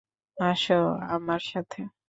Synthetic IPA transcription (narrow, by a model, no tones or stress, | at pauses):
aʃoa̰maɾʃat̪ʰe